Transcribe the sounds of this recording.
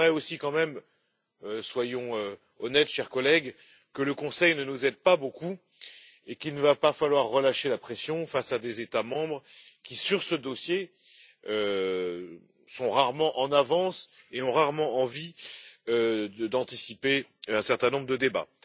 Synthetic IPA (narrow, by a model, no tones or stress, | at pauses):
ʁɛosikɑ̃mɛm | øswajɔ̃ø | ɔnɛt̪ʃɛʁkɔlɛɡ | kələkɔ̃sɛjnənuzɛd̪̚paboku | ekilnəvapafalwaʁːəlaʃelapχesjɔ̃fasad̪ezet̪amɑ̃bʁkʲisyʁsəd̪ɔsje | ø | sɔ̃ʁaʁmɑ̃ʔɑ̃navɑ̃s | eɔ̃ʁaʁmɑ̃ɑ̃viød̪ɑ̃t̪isipeɛ̃sɛʁt̪ɛ̃nɔ̃bʁd̪əd̪eba̰